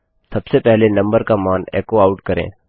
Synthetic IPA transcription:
sɐbsepɛɦlenə̃mbəɾkamaːnḛːkoaːʊʈkəɾḛ̃ː

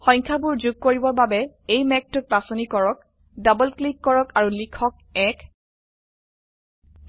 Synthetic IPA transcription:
xɔ̃jɲkʰabuɹzuɡ̚koɹibɔɹbabɛ | ejmɛk̚tʊk̚pɹasɔnikɔɹɔk̚ | dabɔlklikːɔɹɔkaɹulikʰɔk̚ɛk

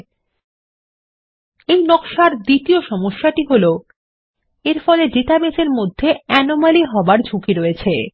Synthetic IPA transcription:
ejnɔkʃaɾd̪it̪ioʃɔmoʃːaʈiɦolo | eɾfɔled͡ʑit̪abeseɾmod̪ʱːeɛnomaliɦɔbaɾd͡ʑʱukiɾoet͡ɕʰe

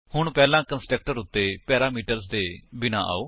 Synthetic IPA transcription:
hʊɳpɛːlãːkənsʈɾək̚ʈəɾʊt̪ːeːpɛːɾaːmiːʈəɾzd̪eːbɪnã̰ːʔa̰ːoː

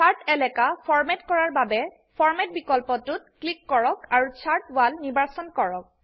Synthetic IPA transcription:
aɹtɛlɛkapʰɔɹmɛtkɔɹaɹbabɛ | pʰɔɹmɛt̚bikɔlpɔtʊt̚klikːɔɹɔkaɹut͡ʃʰaɹtbalnibaɹsɔnkɔɹɔk̚

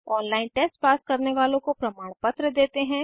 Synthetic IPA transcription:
ɔːnlaːɪnʈeːsʈpaːskɐɾneʋaːlõkopɾɐmaːɽ̃pɐt̪ɾəd̪eːt̪eɦɛ̃ː

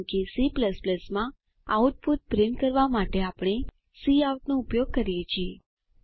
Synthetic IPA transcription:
kesipləspləsmã | auʈ̚put̪̚bɾɪnkəɾʋamaʈeapɽ̃e | siauʈnoupjoɡ̚kəɾjet͡ʃʰie

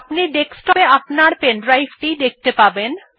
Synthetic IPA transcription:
pniɖeksʈɔeapnaɾpenɖɾajfʈid̪ek̚t̪epaben

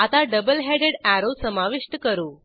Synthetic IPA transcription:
at̪aɖəbəlɦeɽeɽæɾosəmaʋiʂʈəkəɾuː

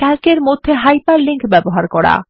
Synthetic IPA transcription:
ɛlkeɾmod̪ʱːeɦajpaɾliŋkbɛboɦaɾkɔɽa̰

